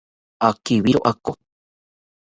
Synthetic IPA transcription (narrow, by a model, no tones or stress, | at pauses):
akiβiɾoʔako